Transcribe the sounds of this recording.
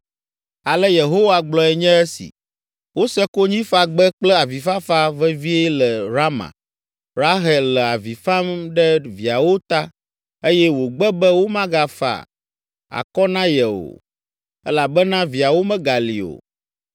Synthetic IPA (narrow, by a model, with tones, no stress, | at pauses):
a˨lɛ˦je˨ɦo˦wa˨ɡ͡blɔ˦ɛ˨ɲɛ̃˦ɛ˦sḭ˨ | wo˦sɛ˦ko˦ɲĩ˦fa˦ɡ͡bɛ˦k͡plɛ˦a˨vi˨fa˦fa˦vɛ˦vi˦ɛ˦lɛ˨ɾa˦mã̰˨ | ɾa˦ɦɛ˨llɛ˨a˨vi˨fã˦mɖɛ˦vi˨a˨wo˦t̪a˦ | e˦jɛ˦wo˨ɡ͡bɛ˦bɛ˦wo˦mã˦ɡa˦fa̰˦˨ | a̰˨kɔ˦nã˦jɛ˨o̰˨ | ɛ˦la˨bɛ˦nã˦vi˨a˨wo˦mɛ̃˦ɡa˨lḭ˨o̰˨